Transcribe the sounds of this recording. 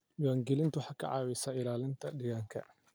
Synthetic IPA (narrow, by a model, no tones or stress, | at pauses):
waːŋɡɪlɪnt̪ʊħakːɐ̰ʕawɪsɐɪlaːlɪnt̪ʰɐɗɪɣaŋkʰɐ̰